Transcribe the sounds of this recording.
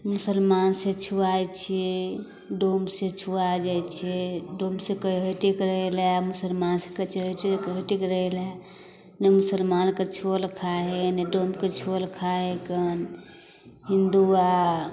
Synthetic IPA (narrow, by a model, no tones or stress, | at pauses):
musəlmansẽt͡ʃʰuajt͡ʃʰɛ | ɖomsẽt͡ʃʰuad͡ʒajt͡ʃʰɛɖomsẽkəɦəʈekɾəɦelemusəlmansẽkət͡ʃʰɦʈkɦəʈikɾəɦelɛ | nemusəlmanket͡ʃʰolkʰaɦeneɖomket͡ʃʰolkʰaɦekən | ɦind̪ua